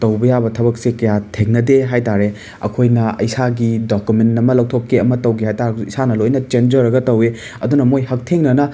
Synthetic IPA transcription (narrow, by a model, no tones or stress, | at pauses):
tɐwbɐjabɐtʰɐbɐk̚sekɐjatʰeŋnɐdeɦajtaɾe | ɐ̰kʰojnɐɐ̰jsaɡidokumentːɐmɐlɐwtʰop̚keɐmɐtɐwɡihajtaɾɐisanɐlojnɐt͡ʃend͡ʒɐɾːɐɡɐtɐwe | ɐdunɐmojhɐk̚tʰeŋnɐnɐ